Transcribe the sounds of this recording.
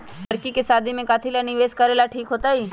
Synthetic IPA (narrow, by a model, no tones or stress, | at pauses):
əɾkikesaːd̪ʱimẽkaːt̪ʰilanɪʋeːskɐɾeːlaʈʰiːkɦoːt̪aiː